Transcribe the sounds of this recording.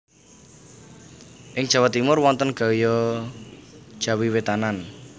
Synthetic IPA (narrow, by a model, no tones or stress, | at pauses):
ʔɪŋ̥ʒ̥awat̪ːimʊrwɔnt̪ənɡ̥a̤jɔ | ʒ̥a̤wiwet̪anan